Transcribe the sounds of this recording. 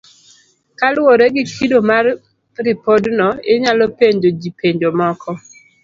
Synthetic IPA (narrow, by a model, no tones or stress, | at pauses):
kalwoɾeɡɪkʰidomar | ɾɪpodnɔɪɲalɔpeɲd͡ʒod͡ʒipeɲd͡ʒomɔkʰɔ